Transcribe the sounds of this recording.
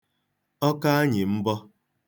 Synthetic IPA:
ɔ˦ka˦a˦ɲɪ˨m̩˦bɔ˦

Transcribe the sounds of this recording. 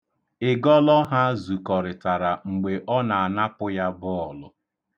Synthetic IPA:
ɪ˨ɡɔ˦lɔ˦ɦa˦zu˨kɔ˨ɾɪ˨ta˨ɾa˨ŋ͡m̩˨ɡ͡be˨ʔɔ˦na˨a˨na˦pʊ˦ja˦bʊ˦ɔ˨lʊ˦

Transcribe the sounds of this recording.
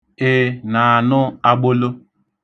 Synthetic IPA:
e˦na˨a˨nʊ˦a˦ɡ͡bo˦lo˦

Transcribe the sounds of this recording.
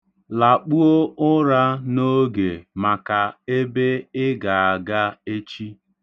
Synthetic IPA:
la˨k͡pu˦o˦ʊ˦ɾa˦no˦ɡe˨ma˨ka˨e˦be˦ɪ˦ɡa˨a˨ɡa˦e˦t͡ʃi˦

